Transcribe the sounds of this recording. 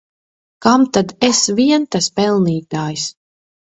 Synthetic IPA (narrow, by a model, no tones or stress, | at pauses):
kamt̪ad̪esviɛnt̪aspɛlˠniːt̪aːjs